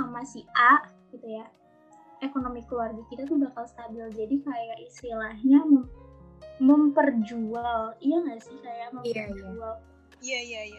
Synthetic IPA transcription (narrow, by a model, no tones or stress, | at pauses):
samasihaʔ | ɡ̥it̪uja | ekonomikəluarɡakit̪at̪ubakalst̪abɪld͡ʒadikajaʔist̪ilahɲaməm | məmpərd͡ʒualijaŋasɪhkajaməərd͡ʒual | ijajaja